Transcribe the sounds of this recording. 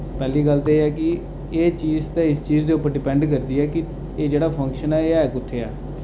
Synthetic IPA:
pɛːliːɡəlt̪eːɛːkɪ | eːt͡ʃiːzt̪ɛ̃ːɪst͡ʃiːzd̪eːʊpːəɾɖɪpɛ̃ɳɖk̬əɾd̪iːɛːkɪ | eːd͡ʒeːɽaːpʰə̃ŋkʃənɛːeːɛːkʊt̪ʰːeːɛː

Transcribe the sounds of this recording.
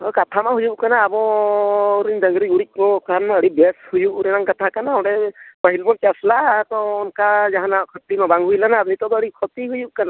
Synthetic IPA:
ɔkat̪ʰamaɦujuʔ̚kanaːbɔ | ɾind̪əŋɡɾiuɽik̚ɔkanaəɽibɛshujuʔɾɛnaŋkat̪ʰakanawɽɛpəɦilbɔnt͡ʃaslat̪ɔːnkad͡ʒaɦanakʰɔt̪imabaŋɡɦujlanaːp̚nit̪ɔt̪əɽikʰɔt̪iɦujuʔ̚kana

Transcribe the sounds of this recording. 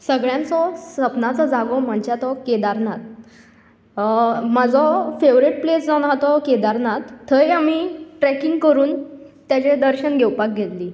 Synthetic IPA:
səɡɭjãnt͡sɔsəpnat͡sɔd͡zaɡom̤əɳt͡ɕat̪ɔked̪aɾnat̪̚ | məd͡zɔfeʋɾiʈ̚plet͡sd͡zanɦat̪ɔked̪aɾnat̪ʰːəjam̤iːʈɾɛkĩŋɡkəɾuːn | t̪jat͡ɕed̪əɾɕənɡʱɛwpak̚ɡʱet̪liː

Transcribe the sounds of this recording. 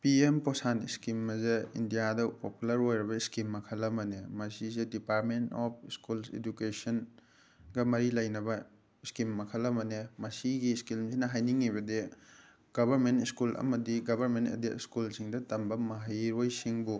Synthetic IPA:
piemposantḭskimːɐzeḭndijadɐpopulɐɾojɾɐbɐiskimːɐkʰɐlːɐmɐnemɐsizedipaɾ̚mentop̚ʰiskulsḛd͡ʒukesɐn | ɡɐmɐɾilɐjnɐbɐ | iskimːɐkʰɐlɐmɐnemɐsiɡiskilmsinɐɦajniŋːiβɐde | ɡ̥ɐbʱɐɾmentiskulɐ̰mɐdiɡɐbʱɐɾmentɐ̰deiskulsiŋdɐtɐmbɐmɐɦajɾojsiŋbu

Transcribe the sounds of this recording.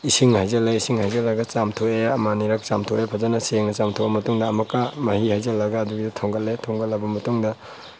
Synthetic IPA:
isiŋhajzɐleisiŋhajzɐlːɐɡɐt͡ʃamtʰoeɐmaniɾɐk̚t͡ʃa̰mtʰoepʰazɐnɐseŋnɐt͡ʃamtʰobɐmɐtuŋdɐːmɐkːamɐhihajzɐlːɐɡɐːduɡidɐtʰoŋɡɐlːetʰoŋɡɐlːɐbɐmɐtuŋdɐ

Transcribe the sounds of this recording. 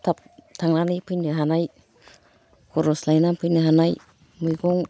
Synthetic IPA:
t̪ʰap̚t̪ʰaŋnanipʰɯnɯɦanaj | kʰuɾɔslajnapʰɯjnɯɦanaj | mujɡɔŋ

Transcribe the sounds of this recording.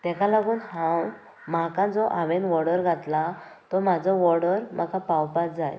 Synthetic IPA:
t̪ɛ̃kalaɡuːnɦãw | makãd͡zɔʔaʋenʋɔɽəɾɡʱat̪la | t̪ɔmad͡zɔʋɔɽəɾm̤akapawpat̚d͡zaj

